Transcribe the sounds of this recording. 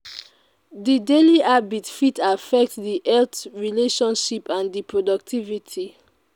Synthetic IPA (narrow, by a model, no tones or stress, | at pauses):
dideliabitfitafɛk̚tðiʔɛltɹileʃɔ̃nʃipʰãndipʰɹodɔk̚tʰivitʰi